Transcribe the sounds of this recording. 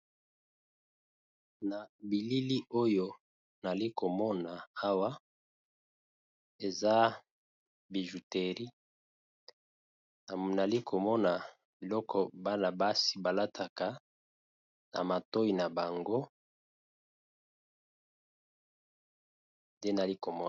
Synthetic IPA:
na˨bi˨li˦li˦ʔo˦jo˦ | na˨li˦ko˨mɔ˦na˨a˦wa˦ | e˨za˦ | bi˨ʒu˨te˨ʁi˦ | a˨na˨li˦kʰo˨mɔ˦na˨ | bi˨lɔ˦kʰɔ˨ba˦na˨ba˦si˨ba˨la˦tʰa˨ka˨ | na̰˨ma˨to˦i˨na˨ba˨ŋɡo˦ | nde˦na˨li˦ko˨mɔ˦

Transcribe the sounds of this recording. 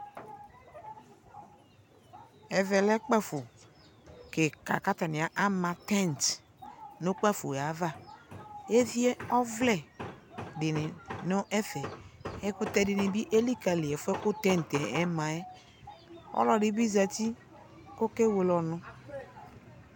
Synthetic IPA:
ɛ˨vɛ˨lɛ˦k͡pa˦fo˨ | ke˨ka̰˨ka˦ta˨nɪ˨a˨ʔa˦mã˨tɛ˦˨n˨t | no˦k͡pa˦fo̰˨a˨˦va˦˨ | e˦vi˦ɛ˦ɔ˦vlɛ˨ | dɪ˨nɪ˨no˦ʔɛ˦fɛ˨ɛ˦kʊ˦tɛ˦˨dɪ˨ni˨bi˦ʔe˦li˦ka˨li˨ɛ˨fɛ˦kʊ˦tɛ˦n˨tɛ˨ɛ˦mã˨ɛ˦ | ɔ̰˦lɔ˨dɪ˦bi˦za˨ti˦ | ko˦ke˦we˨lɔ˨nʊ̃˦

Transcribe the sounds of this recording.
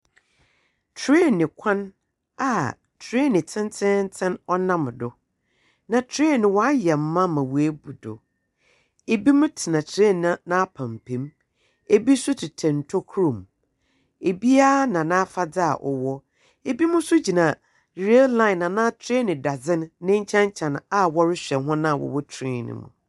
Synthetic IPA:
tʰɾe˦˨nɪ̃˨kʷʰã˦n | a˨ | tʰɾe˦˨nɪ̃˨tʰɪ̃˦n˦tʰɪ̃˦n̩˦tʰɪ̃˦nɔ˦nã˦m˨dʊ˨ | nã˨tʰɾe˦˨nɪ̃˨wɔ˨˦a˦jɛ˨m̩˦mã˦mã˨wu˨e˦bu˨dʊ̰˨ | e˨bi˦mʊ̃˦tʰɪ˨nã˨tʰɾe˦˨nã˦˨nã˦pʰã˨m˨pʰẽ˨˦m | e˨bi˦sʊ˦tʰɪ˨tʰɛ̃˨n̩˨tʰɔ˦kʰɾũ˨m | e˨bi˦a˦nã˨nã˦fa˦d͡za˦a̰˨ʔɔ̰˨wɔ˦ | e˨bi˦mʊ̃˦sʊ˦d͡ʑi˨nã˨ | ɾe˦llã˦ɪ̃˨nã˨nã˦tʰɾe˦nɪ̃˨da˨d͡zɪ̃˦nː˦ɪ̃˦ɲ̩˦t͡ɕʰɛ̃˦ɲ˦t͡ɕʰã˨n˨a˦wɔ˦ɾɪ˦ɕᶣɛ˨nɦʊ̃˦nã˦˨wɔ̰˨wɔ˦tʰĩ˦˨nɪ̰̃˨mṵ̃˨

